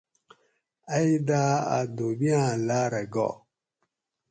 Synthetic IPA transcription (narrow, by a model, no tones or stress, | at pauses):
aidaa̰dobiãlaɾɛɡɔ̰